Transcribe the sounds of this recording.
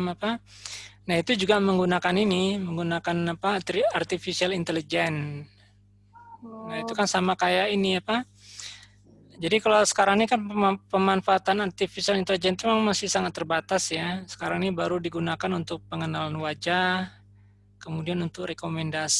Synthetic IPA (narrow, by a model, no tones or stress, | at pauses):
mapa | nahit̪ud͡ʒuɡaməŋɡunakaniniməŋɡunakanapat̪art̪ifisialint̪elid͡ʒɛn | nait̪ukansamakajainiapa | d͡ʒadikalasə̥kaɾaŋnikanapəmanfaːt̪anart̪ifisialint̪elid͡ʒɛnt̪umaŋmasɪhsaŋat̪ːərbat̪asjasə̥kaɾaŋnibaɾudiɡunakanunt̪ʊk̚pəŋənalanwad͡ʒa | kəmudianunt̪ʊkrekomɛndas